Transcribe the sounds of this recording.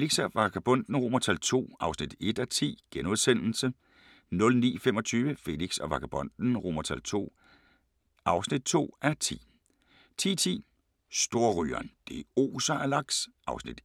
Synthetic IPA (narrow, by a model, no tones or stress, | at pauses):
feliɡ̥sæʋɑ̈ɡ̥æb̥ɔ̽n̰d̥n̩ʁo̝mɐt͡sʰælt͡sʰo̝̰ːɑ̈ʊsnid̥e̝d̥æt͡sʰḭːɡ̥enoðˠsen̰l̩sə | nɔ̽lnḭːfemɒ̽t͡sʰyːʋəfe̝liɡ̥sɒʋɑ̈ɡ̥ʰæb̥ɔ̽n̰d̥n̩ʁo̝mɐt͡sʰælt͡sʰo̝̰ː | ʔɑ̈ʊsnid̥̚t͡sʰo̝̰ːæɐt͡sʰḭː | t͡sʰḭːt͡sʰḭː | sd̥o̝ɐʁy̰ːɐnd̥e̝o̝̰ːsɐælɑ̈ɡ̥sʔɑ̈ʊsnid̥